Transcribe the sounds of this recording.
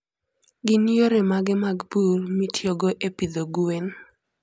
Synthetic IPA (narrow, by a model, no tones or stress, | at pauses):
ɡɪnijoɾemaɡɪmaɡburmitʰjoɡoʔepid̪oɡuen